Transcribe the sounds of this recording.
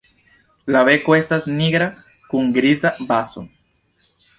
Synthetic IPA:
laβekoest̪azniɣɾa | kuŋɡɾizabaso̰

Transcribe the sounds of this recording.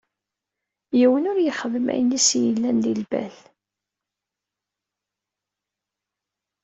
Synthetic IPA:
jiwənʊɾjəχəðəmæ̰jnisjəlːænlilbæ̰l

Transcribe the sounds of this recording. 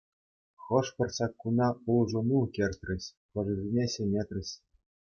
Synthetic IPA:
χɤ̆ʂpʲɤ̆rɕɑkːunɑulˠʐunukʲerʲt̪ʲrʲɘ̆ɕʲ | pɤ̆ʐɘ̆zʲinʲeɕenʲet̪ʲrʲɘ̆ɕʲ

